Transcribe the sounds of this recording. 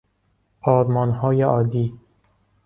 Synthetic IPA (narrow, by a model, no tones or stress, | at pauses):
ɒːɾmɒːnɦɒːjeʔɒːd̪iː